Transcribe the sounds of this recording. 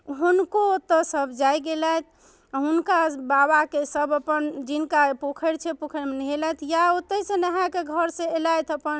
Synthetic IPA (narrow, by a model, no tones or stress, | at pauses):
ɦunkot̪əsəbʱd͡ʒajɡelajt̪ʰ | ɦunkababakesəbəpənd͡ʒinkapokʰəɾt͡ʃʰɛpokʰəɾmenɦelat̪ʰjaot̪ːəsẽnəɦãkeɡʱəɾsẽelajt̪ʰəpən